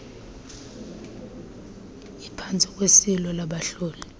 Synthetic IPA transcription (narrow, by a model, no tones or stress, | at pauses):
ipʰant͡sʼik̬ʼwesilɔlaɓaɬuːli